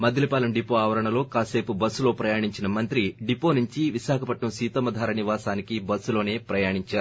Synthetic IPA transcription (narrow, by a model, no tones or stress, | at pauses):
mɐd̪ilipaːlɐmɖipoːaːʋɐɾɐɳɐlo̞ːkaːse̞ːpubɐsːulo̞ːpɾɐjaːɳiɲt͡ʃinɐmɐnt̪ɾiɖipːo̞ːnuɲt͡ʃiʋiʃaːkʰɐpɐʈɳɐmsiːt̪ɐmɐd̪ʱaːɾɐniʋaːsaːnikibɐsːulo̞ːne̞ːpɾɐjaːɳiɲt͡ʃaːɾu